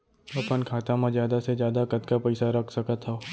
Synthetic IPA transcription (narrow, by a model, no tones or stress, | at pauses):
ɐpənkʰaːt̪amãzjaːd̪asezjaːd̪akɐt̪kapɛɪsaɾɐkʰsɐkət̪ɦo